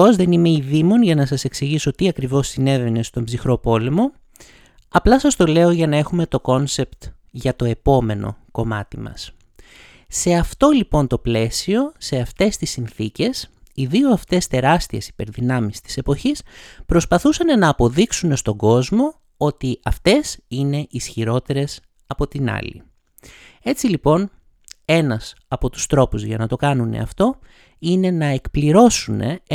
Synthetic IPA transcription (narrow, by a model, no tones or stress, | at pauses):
ozðe̞nime̞iðimo̞nʝɐnɐsɐse̞ksiʝiso̞t̪iɐkɾivo̞sine̞ðene̞st̪o̞mbzixɾo̞po̞le̞mo̞ | ɐplɐsɐst̪o̞le̞o̞ʝɐnɐe̞xume̞t̪o̞ko̞nse̞pt̪ | ʝɐt̪o̞e̞po̞me̞no̞̰ko̞mɐ̰t̪imɐ̰s | se̞ɐft̪o̞lipo̞nt̪o̞ple̞sio̞se̞ɐft̪e̞st̪isːinθice̞siðioɐft̪e̞st̪e̞ɾɐst̪ie̞si̥pe̞ɾðinɐmist̪i̥se̞po̞çispɾo̞spɐθusɐnenɐːpo̞ðiksune̞st̪o̞ɡo̞zmo̞ | ot̪iɐft̪e̞sine̞ʔisçiɾo̞t̪e̞ɾe̞s | ɐpo̞t̪inɐ̰lḭ | e̞t͡silipo̞n | e̞nɐs | ɐpo̞t̪u̥st̪ɾo̞puzʝɐnɐt̪o̞kɐnunḛɐ̰ft̪o̞ | ine̞nɐekpliɾo̞sune̞̰